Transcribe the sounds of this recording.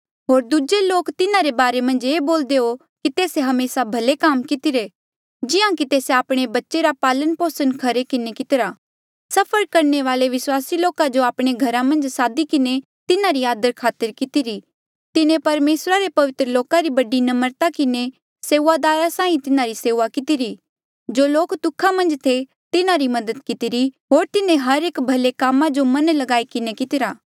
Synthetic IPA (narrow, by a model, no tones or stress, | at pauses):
ɦoːɾd̪ud͡ʒeloːkt̪ɪnãɾebaːɾemɐ̃nd͡ʒeːboːld̪eo | kit̪eːseɦɐmeːsabʱɐlekaːmkɪt̪ɪɾe | d͡ʒɪãkit̪eːseaːpɽ̃ebɐtːʃeɾapaːlənpoːsənkʰɐɾekɪnekɪt̪ɪɾaː | sɐpʰəɾkɐɾneʋaːleʋɪswaːsiloːkad͡ʒoaːpɽ̃eɡʱɐɾamɐ̃nd͡ʒsaːd̪ikɪne | t̪ɪnaɾiaːd̪əɾkʰaːt̪əɾkɪt̪ɪɾi | t̪ɪnẽpɐɾmeːsɾaɾepɐʋɪt̪ɾəloːkaɾibɐɖinɐməɾt̪akɪne | seːuːad̪aːɾasãːĩt̪ɪnaɾiseːʋakɪt̪ɪɾi | d͡ʒoːloːkt̪ʊkʰamɐ̃nd͡ʒt̪ʰe | t̪ɪnaɾimɐd̪əd̪kɪt̪ɪɾiɦoːɾt̪ɪnẽɦɐɾeːkbʱɐlekaːmãd͡ʒomɐnlɐɡaːikɪnekɪt̪ɪɾaː